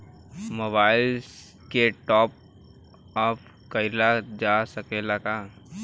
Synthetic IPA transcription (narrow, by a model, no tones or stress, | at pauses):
moːbaːɪls | keʈɔːp̚ | ɔːp | kəɪɾlad͡ʒaːsɐkelaka